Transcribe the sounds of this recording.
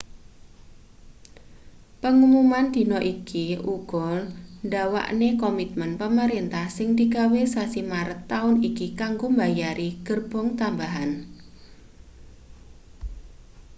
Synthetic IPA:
pəŋumumand̪̥i̤nɔʔikiʔuɡ̥ɔlnɖawa̰ʔnekɔmit̪̚mənpəməɾint̪ahsɪŋd̪iɡa̤wesasimaɾət̪ːaʊnikikaŋɡombajaɾiɡ̥ərb̥ɔŋt̪ambaɦan

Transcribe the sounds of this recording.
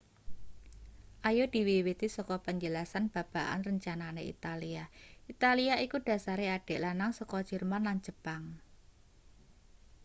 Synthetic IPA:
ʔajod̪̥i̤wiwit̪isɔkɔpəɲd͡ʒəlasanb̥a̤b̥a̤ʔa̰nrəɲt͡ʃananeḭt̪aliaʔit̪aliaikuɖ̥ä̤saɾeaɖ̥e̤ʔlanaŋsɔkɔ̥d͡ʒ̥ərmanland͡ʒəb̥aŋ

